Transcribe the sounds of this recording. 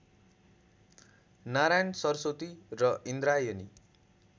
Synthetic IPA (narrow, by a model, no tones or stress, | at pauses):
naɾajnsʌrsot̪irʌind̪ɾajoni